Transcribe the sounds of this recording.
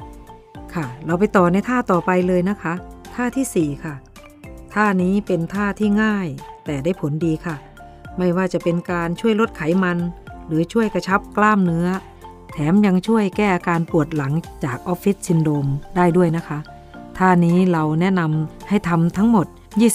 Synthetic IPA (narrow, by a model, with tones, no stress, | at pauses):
kʰa˧˩ɾa˧wp̬a˧jt̪ɔː˨˩na˧jt̪ʰaː˥˩t̪ɔː˨˩pa˧jlɤː˧jna˦˥kʰa˦˥t̪ʰaː˥˩t̪ʰiː˥˩siː˨˩kʰa˧˥˩ | t̪ʰaː˥˩niː˦˥pe˧nt̪ʰaː˥˩t̪ʰiː˥˩ŋaː˥˩jt̪ɛː˨˩daː˥˩jpʰo˩˦ndiː˧kʰa˥˩ | ma˥˩jwaː˥˩t͡ɕa˨˩pe˧nkaː˧nt͡ɕʰu˥˩əjlo˦˥t̪̚kʰa˨˩˦jma˧nlɯː˩˦t͡ɕʰu˥˩əjka˧t͡ɕʰa˦˥p̚klaː˥˩mnɯ˦˥ɐ | t̪ʰɛː˩˦mja˧ŋt͡ɕʰu˥˩əjkɛː˥˩ʔaː˧kaː˧npu˨˩ət̪̚la˩˦ŋt͡ɕaː˨˩k̚ʔɔ˦˥p̚fi˦˥t̪̚si˧ndoː˧mdaː˥˩jdu˥˩əjna˦˥kʰa˦˥ | t̪ʰaː˥˩niː˦˥ɾa˧wnɛ˦˥na˧mha˥˩jt̪ʰa˧mt̪ʰa˦˥ŋmo˨˩t̪̚ | jiː˥˩